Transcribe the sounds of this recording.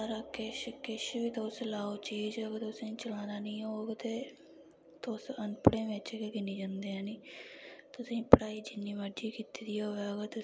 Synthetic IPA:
ɾaːkeʃkɪʃʋiːt̪oslaːoːt͡ʃiːd͡ʒoɡət̪ʊsĩːt͡ʃəlaːnaːnĩːoːɡt̪eː | t̪osənpəɽeːʋet͡ʃːkeɡɪniːd͡ʒãːnd̪eːãːniːt̪ʊsĩːpəɽaːiːd͡ʒɪnːiːməd͡ʒiːkiːt̪iːd̪iːoːeəɡət̪ʊ

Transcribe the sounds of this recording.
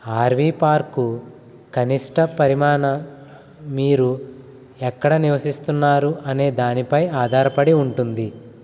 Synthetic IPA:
aːɾʋiːpaːɾku | kɐniʂʈɐpɐɾimaːɳɐ | miːɾu | ɛkːɐɽɐniʋɐsist̪unːaːɾuʔɐne̞ːd̪aːnipɐjaːd̪ʱaːɾɐpɐɽiuɳʈund̪i

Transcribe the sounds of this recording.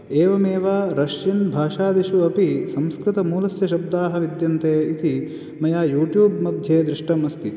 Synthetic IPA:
eːʋɐmeːʋaːɾɐʃjinbʱaːʃaːd̪iʃuɐpisɐmskɾɪt̪ɐmuːlɐsjɐʃɐb̚d̪aːɦɐʋid̪jɐnt̪eːit̪i | mɐjaːjuːʈjuːbmɐd̪ʱjeːd̪ɾiʂʈɐmɐst̪i

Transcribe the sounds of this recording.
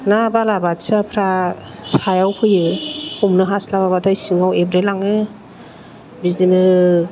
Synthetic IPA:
nabalabatsapʰɾa | sajawpʰɯjɯhumnɯɦaslaβabatʰajsiŋawebɾelaŋɯ | bizinɯ

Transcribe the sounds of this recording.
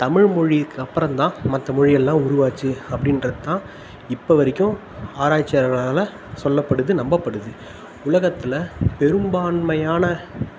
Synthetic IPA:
t̪ɐmɪɻmɔɻikːɐpːɾɐ̃nt̪ãːmɐt̪ːɐmɔɻɪjɛlːãːʊɾʊʋaːt͡ʃːɯɐpːɐɽɪnɾɐðɯt̪ːãː | ɪpːɐʋɐɾɪkʲːʊ̃ | aːɾaːt͡ʃːɐɾɐɭalɐ | sɔlːɐpːɐɽɯðɯnɐmbɐpːɐɽɯðɯ | ʊlɐɣɐt̪ːɪlɐpɛɾɯmbaːnmɐjaːnɐ

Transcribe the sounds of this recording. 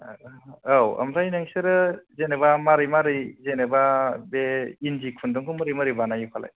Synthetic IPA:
awa̰mɾajnɯŋseɾɯzenebamaɾɯjmaɾɯjzenebabeinzikʰundɔŋkʰɯmɯɾimɯɾibanajupʰala̰j

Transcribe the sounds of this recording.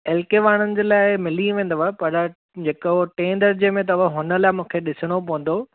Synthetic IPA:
ɛːlkeʋaːɽ̃ənɪ̆d͡ʑeːlaːɪmɪliʋẽːn̆d̪ʋapɐɾɐ | d͡ʑeːkːʈẽːnd̪əɾd͡ʑeːmẽt̪̬ɐʋəɦʊnəlaːɪmũːkʰeɗɪsəɽ̃opɐʋə̃n̆d̪o

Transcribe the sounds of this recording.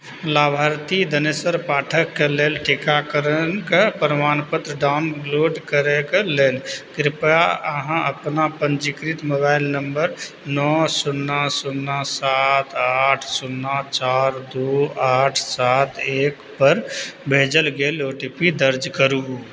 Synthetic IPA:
laːbʱaɾt̪id̪ənesəɾpaːʈʰəkːeleːlʈʰikakəɾənkepɾəmaːnpət̪ɾəɖaʊnloːɖkəɾekeleːlkɾpaəɦãəpnapənd͡ʒikɾit̪moːbailnəmbəɾ | nɔsunːasunːasat̪ʰaʈʰsunːat͡ʃaɾd̪oaːʈʰsat̪ʰeːkpəɾbʱed͡ʒəlɡeloʈipid̪əɾd͡ʒkəɾu

